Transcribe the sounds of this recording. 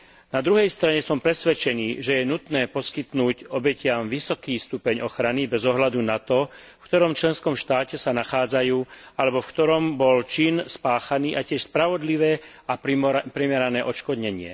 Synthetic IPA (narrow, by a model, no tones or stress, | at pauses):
nad̪ɾuɦɛjst̪ɾaɲɛsɔmpɾɛsʋɛt͡ʃɛniːʒɛjɛnut̪nɛːpɔskit̪nuːɟɔbɛcɪamʋisɔkiːst̪upɛɲɔxɾanibɛzɔɦlad̪unat̪ɔ | fkt̪ɔɾɔmt͡ʃlɛnskɔmʃt̪aːcɛsanaxaːd͡zajuːalɛbɔfkt̪ɔɾɔmbɔlt͡ʃinspaːxaniːʔacɪɛʃspɾaʋɔd̪liʋɛː | appɾimɛɾanɛːʔɔt͡ʃkɔd̪ɲɛɲɪɛ̰